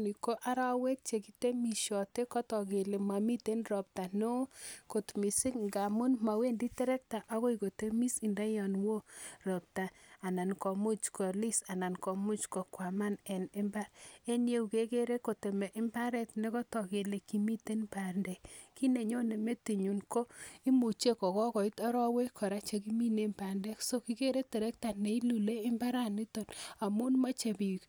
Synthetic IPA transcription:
ni˨ko˦ʔa˦ɾa˦we˦k̚t͡ʃe˨ki˨te˦mi˨ʃɔ˨te˦kɔ˦tɔ˨ke˨le˨ma˨mi˦te˦nɾɔ˨p̚ta˨no˦ko˨tmi˨si˦kŋɡa˨mu˦nma˨we˦ndi˦tɛ˦ɾɛ˦k̚ta˨ʔa˦ɣo˦iko˨te˦mi˦si˨nda˦jɔ˨nwo˦rɔ˨p̚ta˨a˨na˨nkɔ˨mu˦t͡ʃkɔ˨li˦sa˨na˨nkɔ˨mu˦t͡ʃkɔ˨kwa˨ma˦nɛ˨ne˦mba˦ɾe˦nje˦u˨ke˦ke˦ɾe˦ko˨te˨mɛ˨ʔɪ˦mba˦ɾɛ˦tne˦kɔ˦tɔ˨ke˨le˨ki˨˦mi˦te˦npa˨ndɛ˨kki˦ne˨ɲo˦ne˨me˦ti˨ɲu˨nko˦i˦mu˨t͡ʃe˦kɔ˨kɔ˦kɔ˨i˦tɔ˦ɾɔ˦we˦kʰɔ˨ɾa˦t͡ʃe˨ki˦mi˦ne˦mpa˨ndɛ˦kso˦ki˦ke˦ɾe˦tɛ˨ɾɛ˦k̚ta˨ne˨i˦lu˨leː˦mba˦ɾa˦ni˦to˨na˨mu˦nma˦t͡ʃe˨bi˨k

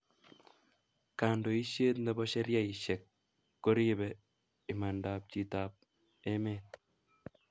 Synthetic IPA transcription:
ka˨ndo˨i˦ʃe˦tndɛ˦bɔ˦ʃɛ˦ɾja˦i˨ʃɛ˨kː | o˦ɾi˦bɛ˨ | i˨ma˨nda˨p̚ci˨ta˨p̚ | e˦me˦˨t

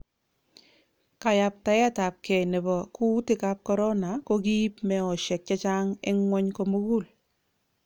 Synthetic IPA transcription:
ka˨ja˨p̚ta˨jɛ˦ta˨p̚kɛ˨nɛ˨bɔ˨ku˦tɪ˦ka˨p̚kɔ˦ɾɔ˦na˨ko˦ki˦pmɛ˨ɔ˨ʃɛ˨k̚t͡ʃa˦t͡ʃa˦ŋɪ˦ŋwɔ˦ɲko˨mu˦ɡu˦˨l

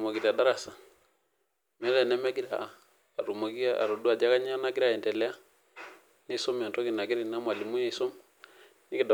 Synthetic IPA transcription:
ma˨ki˨ɾa˨da˦ɾa˨sa˨ | mɛ˦lɛ˨nɛ˦mɛ˦ki˦ɾaː˨ | ɾo˨ma˨ki˦a˦a̰˨ɾo˨du˦a˨d͡ʒa˦ka˦ɲ˦a˦na˦ki˦ɾa˨ɛ˨ntɛ˨lɛ˦a˦ | ni˦so˦mɛ˨ntɔ˦ki˨na˨ki˦ɾi˨na˦mwa˨li˨mu˦je˦˨i˨so˦m | ni˦ki˨da˨

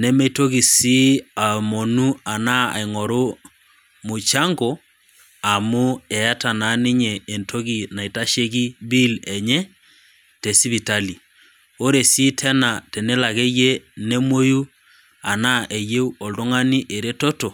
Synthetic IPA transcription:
ne˦me˦i˦to˦ɣi˨si˦a˨mo˨nu˦a˨na˦a̰˨i˨ŋɔ˨ɾo˦ | mo˨t͡ʃa˦ŋɡo˨ | a˨mo˦ɛ˨a˦ta˨na˨˦ni˦ɲɛː˨ntʰo˦ɣi˨na˨i˨ta˦ʃe˦ki˦bi˦lɛ˨ɲɛ˦ | te˨si˦βi˨ta˦li˨ | o˦ɾe˨si˦tʰɛ˦na˨te˨ne˦la˨ɣe˦je˦ne˦mwo˦ju˦ | a˨na˦ʔe˨je˦u˦o˨ldo˦ŋa˦ni˦ʔe˨ɾe˦to˦to˨

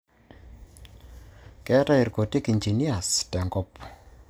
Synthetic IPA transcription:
kɛ˦ta˦i˨rko˨ti˦ki˨nd͡ʒi˨ni˦a˨stɛ˨ŋɡɔ˦p

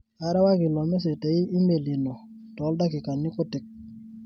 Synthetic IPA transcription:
a˨ɾa˦wa˦kɪ˨lɔ˨mɛ˦s̬e˨te˨i˦ʔi˦me˨li˨no˨ | tɔ˨˦lda˦kɪ˨ka˨nːɪ˦ko˦tɪ˨˦k̚

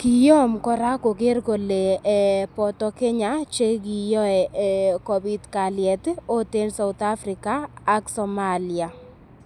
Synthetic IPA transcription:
kɪ˨jɔ˦mkɔ˨ɾa˦ko˨ke˦rko˨le˨pɔ˨tɔ˦ke˦ɲa˦t͡ʃe˦k̬i˨jɔ˦ɛ˨kɔ˨bi˦tka˨ljɛ˨to˦te˦nsa˨wʊ˨t̪a˦fɾɪ˨kaː˦ksɔ˨ma˦li˨a˨

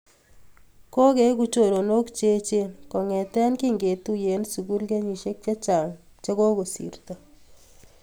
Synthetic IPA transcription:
ko˦ke˦k̬u˦t͡ʃo˨ɾo˨no˦kt͡ʃe˦t͡ʃe˦nkɔ˨ŋɛ˨tɛ˦nki˦ŋɡe˨tu˦je˨˦nsu˨ɡu˦lke˦ɲi˨ʃe˦k̚t͡ʃe˦t͡ʃa˨ŋ | t͡ʃe˦ɡo˦ko˨sḭ˨ɾtɔ˨

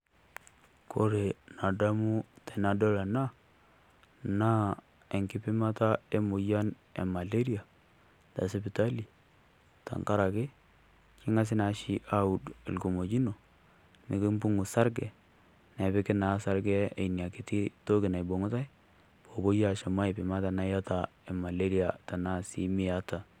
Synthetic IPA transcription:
kʰo˦ɾe˨na˨da˦mu˦te˨na˨do˦la˨na˦ | na˦ | e˨ŋkɪ˦pɪ˦ma˦ta˦e˦mu˨ja˦n | ḛ˨ma˨le˦ɾi˦a˨ | ta̰˨se˦bi˨ta˦li˨ | ta̰˨ŋka˦ɾa˨ke˦ | t͡ʃɪ˦ŋa˦s̬ɪ˦na˨ʃi˦ʔa˦u˨dḛ˨lɡo˨mo˨d͡ʒi˦no˨ | mi˨ki˦mbu˦ŋu˨sa˦ɾɡɛ˨ | na˨bɪ˦kɪ˦na˨˦sa˦ɾɡɛ˦ḛ˨n˨a˨kɪ˨˦ti˦to˦ɡɪ˨na˨jbo˨ŋu˦ta˦j | b̥o˨bo˦ja˦˨ʃa˨ma˦i˨pɪ˨ma˦ta˨na˦ja˦ta˨ɛ˨ma˨le˦ɾi˦a˨ta˨na˦sḭ˦mɪ˦ja˦ta˨

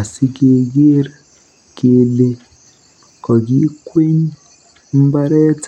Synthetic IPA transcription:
a˨si˦ke˨ɡe˦ɾ | ke˨le˦ | kɔ˨ɡi˦kwe˦ɲ˦ | m̩˦ba˦ɾɛ˦t

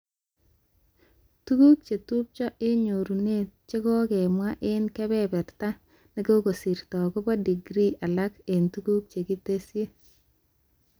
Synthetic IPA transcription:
tu˦ku˦k̚t͡ʃe˨tu˦p̚t͡ʃɔ˦ʔɪ˦ɲo˨ɾu˨ne˦˨t͡ʃe˦kɔ˦kɛ˨mwa˦ʔɪ˦nkɛ˦bɛ˦bɛ˨ɾta˦ | ne˦ko˦ko˨si˨ɾtɔ˨ko˦pa˦di˨ɡɾi˦a˨la˦ke˨ntu˦ɡu˦k̚t͡ʃe˨ki˦te˦sje˦

